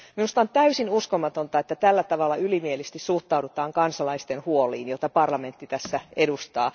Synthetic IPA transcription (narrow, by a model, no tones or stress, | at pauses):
minust̪ɑont̪æysinuskomɑt̪ont̪ɑet̪ːæt̪ælːæt̪ɑʋɑlːɑylimielist̪issuht̪ɑudut̪ɑːŋkɑnsɑlɑist̪enhuoliːnjot̪ɑpɑrlɑment̪ːit̪æsːæedust̪ɑː